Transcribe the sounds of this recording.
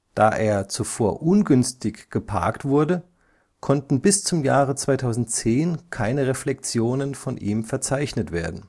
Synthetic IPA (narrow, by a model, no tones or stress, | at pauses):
d̥aːʔeːɐt͡sufoːɐʔʊnɡʏnstɪçɡ̥əpʰa̰ɐktv̥ʊɐdə | kʰɔntn̩bɪst͡sʊmjaːʁət͡sv̥aɪtʰaʊzn̩t̚t͡seːnkʰaɪnəʁɛflɛk̚t͡sjoːnənfɔnʔiːmfɛɐt͡saɪçnətv̥eːɐdn̩